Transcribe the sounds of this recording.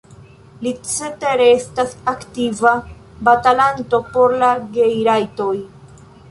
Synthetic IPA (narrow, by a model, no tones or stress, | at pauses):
lit͡set̪eɾeest̪asakt̪iva | bat̪alant̪o̞po̞ɾlaɡejɾajt̪o̞j